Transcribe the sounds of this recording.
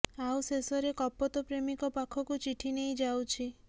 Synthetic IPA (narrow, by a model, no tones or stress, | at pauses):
awsesɔɾekɔpɔt̪ɔpɾemikɔpakʰɔkut͡ʃiʈʰinejd͡ʒawt͡ʃʰi